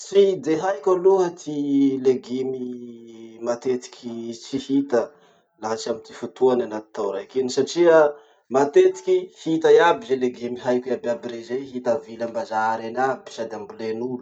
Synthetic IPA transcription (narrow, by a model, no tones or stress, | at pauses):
t͡sid̪eɦajkʲaluɦət̪ʰileɡimi | mat̪et̪i̥kʲʰit͡sihit̪ə | laɦat͡ʃiamint̪i̥fut̪uananat̪i̥t̪ːawɾajkenisaʈ͡ʂiə | mat̪et̪i̥kʲihit̪ajabizeleɡimiɦajkababiɾezejɦit̪avilambazaɾanabi̥sad̪eambulenulu